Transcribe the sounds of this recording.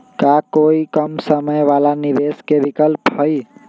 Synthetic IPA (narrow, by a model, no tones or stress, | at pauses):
kakoikəmsəməjʋalaniʋeskebikəlpɦəi